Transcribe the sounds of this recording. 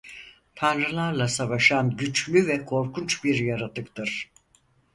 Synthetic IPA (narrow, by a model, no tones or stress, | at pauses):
t̪ʰanɾɯlˠaɾlˠasavaʃanɟyt͡ʃlʲyvɛkʰo̞ɾkʰunt͡ʃbiɾjaɾat̪ʰɯkt̪ɯɾ̥